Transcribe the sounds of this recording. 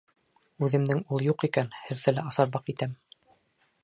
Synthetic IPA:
ʉðɘ̆md̪ɘŋulˠjuqikænhɘ̆ðːɘlæɑsɑɾbɑqit̪æm

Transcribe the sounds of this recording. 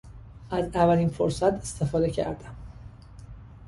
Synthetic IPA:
ʔæzævælinfoɾsæt̪ʰe̞st̪ʰe̞fɒːd̪e̞cʰæ̰ɾd̪æm

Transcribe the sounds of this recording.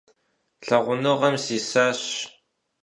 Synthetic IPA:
ɬɐʁʷʊnɨʁɐmsiːsaːɕ

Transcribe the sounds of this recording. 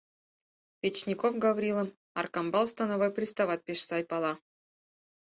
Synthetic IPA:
pʲet͡ɕnʲikofɡavɾʲilˠə̆m | ɑ̰rkɑmbɑlˠst̪ɑnavojprʲist̪ɑvɑt̪̚pʲeʂsɑjpɑlˠɑ

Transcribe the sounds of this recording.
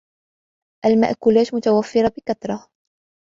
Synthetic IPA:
ʔalma̰ʔkʊlaːʃmʊt̪awafːɪɾɑbɪkat̪ɾˤɑ

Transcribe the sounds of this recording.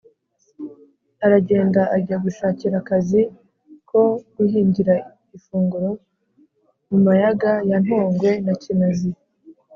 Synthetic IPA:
aɾaɟe̞ːndaʔaɾɟaɡuʃaːciɾakazi | kʰo̞ɡ̥uhiːɲɟiɾa | ifuːŋɡuɾo̞ | mumajaɡajan̥hoːŋɡwe̞nacinazi

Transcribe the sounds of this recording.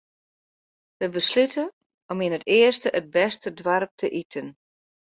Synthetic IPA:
ʋəbəslytʰə | ɔminətɪəstəʔəd̚bɛstədʋarp̚tʰəʔitʰən

